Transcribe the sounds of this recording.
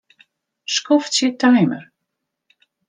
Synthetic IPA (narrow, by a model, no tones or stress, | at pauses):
skɔft̪sjɛtʰajmə̰ɾ